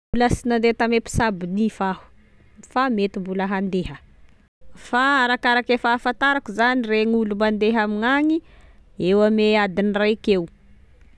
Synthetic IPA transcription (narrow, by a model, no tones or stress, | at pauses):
uləsinand̪et̪amepi̥sabinifahu̥ | famet̪imbuləɦand̪eɦə | faaɾakaɾakefaːfant̪aɾakuzanireŋulumand̪eɦamiŋaŋiewamead̪inirajkew